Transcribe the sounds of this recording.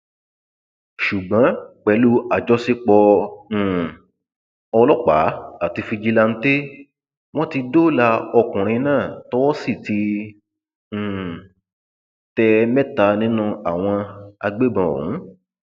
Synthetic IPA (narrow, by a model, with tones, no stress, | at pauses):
ʃu˨ɡ͡bã˨˦k͡pɛ˨˧˦lu˦a˨d͡ʒɔ˦si˦k͡pɔ̃˧˦˨ | ɔ˧lɔ˦k͡pa̰˨˦a˦˨ti˧fi˧d͡ʒi˦la˧n̩˦te˦ | w̃ɔ̃˦ti˧do˦˨la˧ɔ˧kũ˨ɾ̃ĩ˧nãː˦˨tɔ˦wɔ˦si˦˨ti˧ | ñ̩˨ | tɛ˧mɛ˦ta˧nĩ˦nũ˧a˨w̃ɔ̃˧a˧ɡ͡be˦bã˧o̰˨ɾṵ̃˨˦